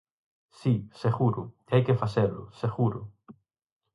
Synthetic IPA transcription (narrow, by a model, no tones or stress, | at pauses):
siseɣuɾʊ | ajkefaseɾlʊ̰seɣuɾʊ